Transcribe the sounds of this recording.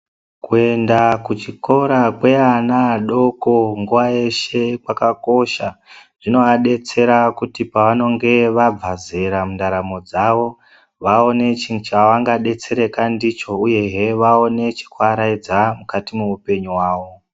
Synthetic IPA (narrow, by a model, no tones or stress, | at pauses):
kue̞ndakut͡ʃiko̞ɾakwe̞anaɗo̞ko̞ŋɡuʋaje̞ʃe̞kwakako̞ʃaʐ̥ino̞aɗe̞t͡se̞ɾakutipaʋano̞ŋɡe̞ʋab͡vaze̞ɾamundaɾamo̞d͡zaʋo̞ | ʋao̞ne̞t͡ʃit͡ʃaʋaŋɡaɗe̞t͡se̞ɾe̞kandit͡ʃo̞uje̞ɦeʋao̞ne̞t͡ʃi̥kwaɾaid͡zamukatimuupe̞ɲuwaːʋo̞